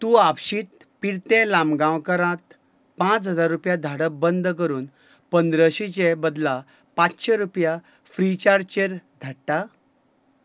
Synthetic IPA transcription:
t̪ũːapɕiːt̪̚ | piɽt̪ẽlamɡãwkəɾãt̪ | pãt͡sɦəd͡zaɾːupjad̪ʱaɽəbənd̪ʱkəɾuːn | pənd̪ɾəɕit͡ɕebəd̪la | pãt͡sɕeɾupja | fɾit͡ɕaɾt͡ɕeɾd̪ʱaʈʈa

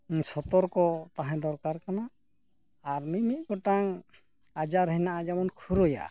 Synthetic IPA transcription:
sɔt̪ɔɾkɔt̪aɦɛ̃d̪ɔɾkaɾkanaː | ɾmimit̪̚ɡɔʈaŋ | ad͡ʒaɾɦənaʔad͡ʒamɔnkʰuɾɔja̰

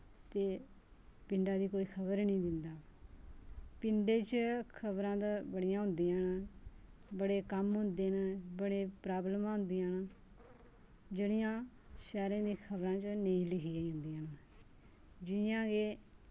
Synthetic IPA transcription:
t̪eː | pɪɳɖaːd̪iːkoːiːkʰəbəɾnĩːd̪ɪnd̪aː | pɪɳɖeːt͡ʃkʰəbɾãːd̪abəɽɪjãːɦʊ̃nd̪iːãːn | bəɽeːkəmɦʊ̃nd̪eːnabəɽeːpɾaːbləmãːɦʊ̃nd̪iːãːnː | d͡ʒeɽɪjãː | ʃɛːɾãːd̪iːkʰəbɾãːt͡ʃnəĩːlɪkʰiːaːiɦʊ̃nd̪iːãːna | d͡ʒɪjãːɡeː

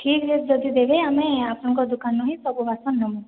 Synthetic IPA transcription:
ʈʰiːkɦed͡ʒɔd̪id̪eʋeamẽapəɳ̃kɔd̪ukanːɔɦĩsɔbʱuʋasɔnːɔmən

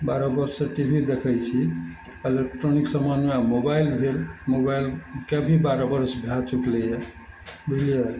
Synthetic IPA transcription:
baɾabəɾsəʈibʱid̪ekʰəjt͡ʃʰi | elek̚ʈɾoniksəmanmeamobajlbʱelmobajlkebʱibaɾabəɾsbʱjat͡ʃukleja | bulijə

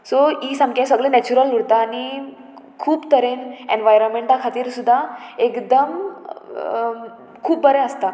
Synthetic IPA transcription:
soisə̃mkẽsəɡlẽnɛt͡ɕuɾəluɽt̪aːni | kʰuːpt̪əɾenḛnʋajɾənmeɳʈakʰat̪iːɾsud̪ʱːaekd̪əm | kʰuːp̚bəɾeəst̪a

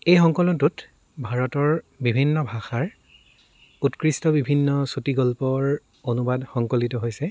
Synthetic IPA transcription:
ejxɔŋkɔlɔntut | bʱaɹɔtɔɹ | bibʱinːɔbʱaxaɹ | utkɹistɔbibʱinːɔsutiɡɔlpɔɹ | onubadxɔŋkolitɔɦojsɛ

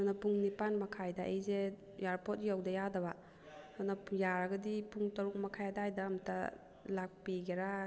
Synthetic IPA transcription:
nɐpuŋnipanmɐkʰajdaʔejze | jaɾpot̚jawdɐjadɐba | anɐjaɾɐɡɐdipuŋtɐɾuk̚mɐkʰajadajdamtʰɐ̰ | lak̚piɡeɾa

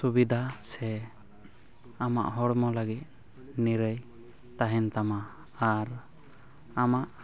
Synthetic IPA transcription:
subid̪ʱasɛ | ama̰ʔɦɔɽmɔləɡit̪̚ | niɾəj | t̪aɦɛnt̪ama | aɾ | amaʔ

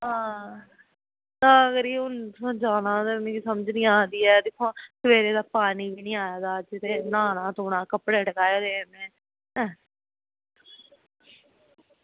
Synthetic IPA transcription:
ɦãː | t̪ãːɡəɾiːʊnãd͡ʒaːnãːd̪ənẽːkːsəməd͡ʒnĩːaːd̪iːɛːd̪ɪkʰõːsəʋeːɾeːd̪aːpaːniːbiːnĩːaːjaːd̪aːd͡ʒɪt̪eːnaːnãːt̪oːɽãːkəpɽeːʈəkaːjaːd̪eːmẽː

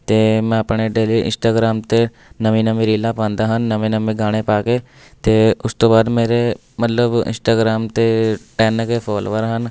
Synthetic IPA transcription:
t̪eːmɛ̃ːəpɳeːɖeːliːʔɪ̰̃nsʈaːɡɾaːmt̪eː | nəʋĩːnəmẽːɾiːlaːpãːnd̪aːɦənːəʋẽːnəmẽːɡaːɽ̃eːpaːkeː | t̪eːʊst̪õːbaːd̪meːɾe | mət̪ləbɪ̰̃nsʈaːɡɾaːmt̪eːʈɛːnkeːpʰɔːloːəɾɦən

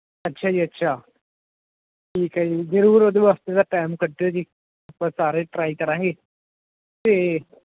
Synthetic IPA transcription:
ɐtːʃʰaːd͡ʒiːɐtːʃʰaː | ʈʰiːkɛːd͡ʒizəɾuːɾoːd̪eʋaːst̪ed̪aʈaːmkəʈːeod͡ʒiː | ɐpːãsaːɾeːʈɾaːikɐɾãːŋɡeː | t̪eː

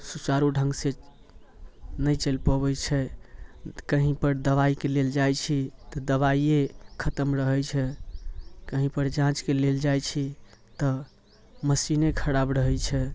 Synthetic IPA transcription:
sut͡ʃaɾuɖʱə̃ŋɡse | nəjt͡ʃelpoβɛt͡ʃʰɛ | kəɦĩpəɾd̪əβaikeleld͡ʒajt͡ʃʰit̪ɔd̪əβaiekʰət̪əmɾəɦɛjt͡ʃʰɛ | kəɦĩpəɾd͡ʒãt͡ʃkeleld͡ʒajt͡ʃʰi | t̪ɔ | məsinekʰəɾabɾəɦɛt͡ʃʰɛ

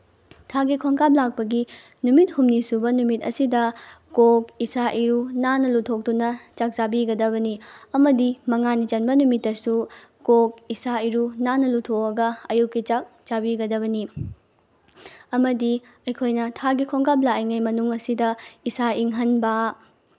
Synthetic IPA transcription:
tʰaɡikʰoŋkap̚lak̚pɐɡi | numit̚humnisubɐnumitɐ̰sidɐ | kok̚isaʔiɾunanɐlutʰok̚tunɐt͡ʃak̚zabiɡɐdɐβɐniɐmɐdimɐŋanit͡ʃɐnbɐnumitːɐsu | kok̚isaiɾunanɐlutʰokɐɡɐɐ̰jukːit͡ʃak̚d͡ʒabiɡɐdɐβɐni | ɐmɐdi | ɐjkʰojnɐtʰaɡikʰoŋkʰap̬̚laiŋajmɐnuŋɐsidɐisaiŋɦɐnbɐ

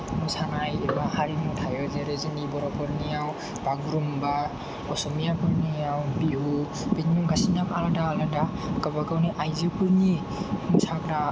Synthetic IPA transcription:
nusʰanajebahaɾimutʰajɔzeɾezɯnibɔɾɔpʰɔɾnijaw | bʱaɡɾumba | ɔsɔmijapʰɔɾnijawbiɦu | betnuɡasinakaladaːladakabakawniʔajzekuɾni | usʰakɾa

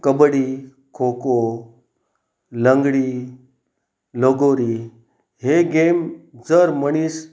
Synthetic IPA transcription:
kəbɽi | kʰoko | ləŋɡɽi | loɡoɾi | ɦeɡemd͡zəɾməɽ̃is

